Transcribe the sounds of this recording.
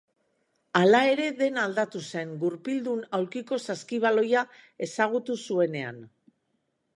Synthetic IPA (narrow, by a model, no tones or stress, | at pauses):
alae̞ɾe̞ðe̞nald̪at̪use̞ŋɡuɾpild̪unawɾkiko̞saskiβ̞alo̞jae̞saɣ̞ut̪usue̞ne̞a̰n